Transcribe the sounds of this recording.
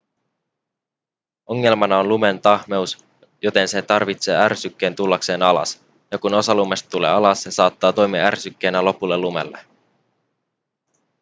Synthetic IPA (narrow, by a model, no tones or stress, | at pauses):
o̞ŋːe̞lmɑnɑonlume̞nt̪ɑhme̞us | jo̞t̪e̞nse̞t̪ɑrʋit̪se̞̰ːærsykːe̞ːnt̪ulːɑkse̞ːnɑlɑ̰s | jɑkuno̞sɑlume̞st̪t̪ule̞̰ːɑlɑssesɑːt̪ːɑːt̪o̞jmiɑæ̰rsykːe̞ːnælo̞pulːelːume̞̰lːe